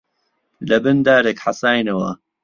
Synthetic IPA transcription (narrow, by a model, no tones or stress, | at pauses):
lɐbɨnd̪aːɾekħasaːjnɐwɐ̰